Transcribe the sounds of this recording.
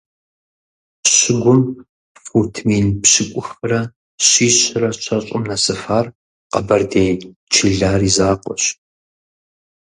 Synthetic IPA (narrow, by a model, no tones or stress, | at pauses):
ɕɪɡʷʊn | fuːtʰmiːnpɕɪkʷʼʊxɨrɐ | ɕiːɕɪrɐɕʷʰɐɕʼɪmnɐsɨfaːr | qɐ̰bɐrdeːjt͡ʃʰɪɮaːrizaːqʷʼɔɕ